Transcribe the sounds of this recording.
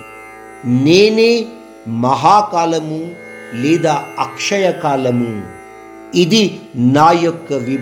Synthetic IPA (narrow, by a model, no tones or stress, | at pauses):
neːneː | mɐɦaːkaːlɐmu | lɛːd̪aːɐkʂɐjɐkaːlɐmu | id̪inaːjɔkːɐʋi